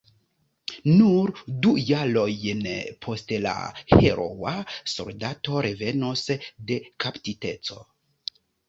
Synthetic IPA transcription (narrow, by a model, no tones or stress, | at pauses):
nuɾdujalo̞jnpʰo̞stla̰he̞ɾʔo̰wa̰so̞̰ldato̞ɾe̞ve̞nosde̞kʰaptite̞t͡so̞̰